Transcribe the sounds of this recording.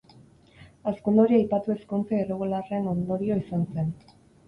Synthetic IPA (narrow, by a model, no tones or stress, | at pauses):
askund̪oɾiajpat̪ue̞skont͡seireɣulare̞no̞nd̪o̞ɾio̞isanse̞n